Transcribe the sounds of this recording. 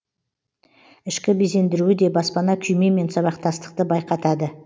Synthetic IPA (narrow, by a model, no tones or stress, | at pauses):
ɪʃkʲɪbeze̞nd̪ɪɾuɪd̪e̞bɑspɑnɑkʲʰʏjme̞me̞nsɑβɑq̚t̪ɑst̪ə̥q̚t̪əbɑjqɑt̪ɑd̪ə